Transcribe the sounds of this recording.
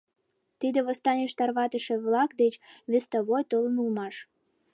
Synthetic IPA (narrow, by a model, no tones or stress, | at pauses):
t̪id̪eβost̪ɑnʲeʃt̪ɑrβɑt̪əʃĕβlɑkd̪et͡ɕβest̪oβojt̪olənulmɑʃ